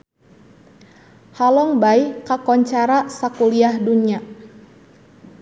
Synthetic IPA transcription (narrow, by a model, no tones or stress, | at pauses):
halɔŋbaikakɔɲt͡ʃaɾasakuliahduɲa